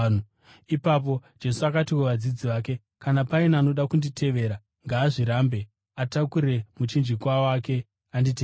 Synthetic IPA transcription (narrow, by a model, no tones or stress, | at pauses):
ipap̬o̞d͡ʒe̞suakatiweʋad͡zid͡ziʋaːke̞ | kanapainaːno̞ɗakunditʰe̞ʋe̞ːɾa | ŋɡaːʐiɾaːmbe̞ | atakuɾe̞mut͡ʃind͡ʒikwawake̞ | andit̬e